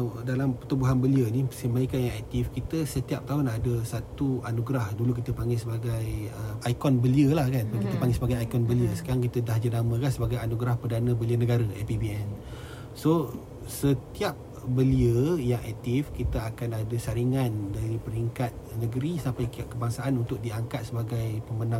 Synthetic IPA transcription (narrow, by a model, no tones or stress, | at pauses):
dalampət̪ubuɦanbəliənipəsəmaikanjaŋɛk̚t̪ifkit̪əsət̪iap̚t̪aɦonadəsat̪uanuɡɾahdulukit̪əpaŋɡasəbaɡajəajkɔnbəliəlahkanpakit̪əpaŋɡesəbaɡajajkɔnbəliəsə̥kaɾaŋkit̪ədaɦd͡ʒənamə̃kansəbaɡajanuɡɾahpərdanə̃bəliənəɡaɾəʔɛ̰pibiɛn | so | sət̪iap̚ | bəliəjaŋʔɛk̚t̪ifkit̪əakanadəsaɾiŋandaɾipəɾiŋkat̪̚nəɡəɾisampajkaʔkəbaŋsaʔanunt̪ʊk̚diaŋkat̪̚səbaɡajpəmənã